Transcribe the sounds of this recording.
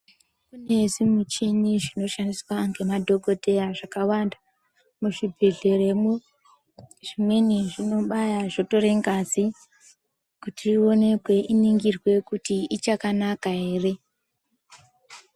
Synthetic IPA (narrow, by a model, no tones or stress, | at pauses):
kune̞zimut͡ʃiɲiʐino̞ʃandiswaŋɡe̞madʱo̞ɡʱo̞te̞jaʐakawanda | muʐibʱeɮe̞re̞mu | ʐimwe̞niʐino̞ɓajaʐo̞to̞ɾeŋɡasi | kutiːo̞ne̞kwe̞ʔiniŋɡirwe̞kutiit͡ʃakanakaɦe̞ːre̞